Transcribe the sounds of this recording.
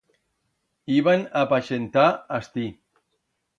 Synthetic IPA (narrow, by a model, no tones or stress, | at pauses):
iβanapaʃent̪aast̪i